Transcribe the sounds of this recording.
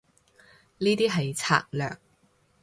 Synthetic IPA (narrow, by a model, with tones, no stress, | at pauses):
niː˥t̪iː˥ɦɐ˨jt͡sʰa̰ː˧˥k̚lœ̰ː˨k̚